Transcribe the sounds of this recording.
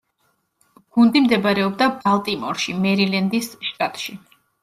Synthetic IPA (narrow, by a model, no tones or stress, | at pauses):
ɡ̥und̪imd̪ɛbaɾɛɔb̚d̪abalˠt̪ʼimɔɾʃimɛɾilɛnd̪isʃt̪ʼat̪ʼʃi